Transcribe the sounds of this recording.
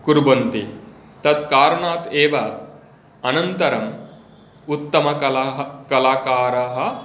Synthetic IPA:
kuɾbɐnt̪i | t̪ɐt̪kaːɾɐɳaːt̪eːʋɐ | ɐnɐnt̪ɐɾɐm | ut̪ːɐmɐɐɦkɐlaːkaːɾɐɦɐ̆

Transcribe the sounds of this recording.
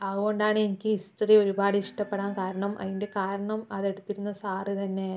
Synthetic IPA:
ɐðuɣo̞ɳɖaːɳɨenikʲːɨistrio̞ɾubaːɽiiʂʈɐppːe̞ɽaːnkaːɾɐɳɐmʔɐ̰ðinde̞kaːɾɐɳɐmɐðe̞ɽut̪ːiɾunːɐsaːrit̪ɐnːe̞

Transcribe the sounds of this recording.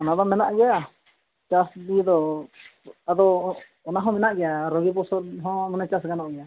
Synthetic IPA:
ɔnad̪ɔmɛnaʔɡɛja | t͡ʃasdid̪ɔ | ad̪ɔː | naɦɔ̃mɛnaʔɡɛjaɾɔɡip̬ɔsɔɦɔ̃mɔnɛt͡ʃasɡanɔʔɡɛja

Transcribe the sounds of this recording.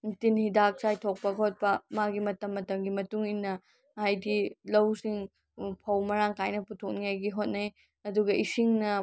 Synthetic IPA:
tinhidak̚sajtʰok̚pɐɡɐɦot̚pɐmaɡimɐtɐmːɐtɐmɡimɐtuŋinːɐ | ajdilɐwsiŋ | pʰɐwmɐɾaŋkajnɐputʰok̚niajɡiɦot̚nɐj | ɐduɡɐʔisiŋnɐ

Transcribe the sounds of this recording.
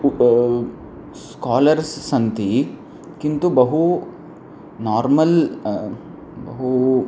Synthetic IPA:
skaːlɐɾsːɐnt̪i | kint̪ubɐɦu | naːɾmɐl | bɐ̰ɦu

